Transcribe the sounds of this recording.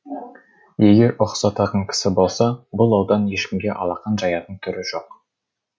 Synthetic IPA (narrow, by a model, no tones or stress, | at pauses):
je̞ɡʲe̞ɾoqsɑt̪ɑʁəɴkʲʰɪ̥sɪbo̞lˠsɑbʊlˠɑwd̪ɑnje̞ʃkʲɪmɡʲe̞ʔɑ̰lˠɑqɑnʒɑjɑt̪əɴt̪ʰʏɾɪʒo̞q